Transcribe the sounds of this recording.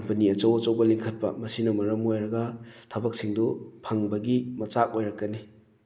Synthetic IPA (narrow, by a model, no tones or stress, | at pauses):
kɐmpɐniɐt͡ʃɐwɐt͡ʃɐwbɐliŋkʰɐt̚pɐ̰mɐsinɐmɐɾɐmojɾɐɡɐtʰɐbɐk̚siŋdupʰɐŋbɐɡimɐt͡ʃak̚ojɾɐkːɐni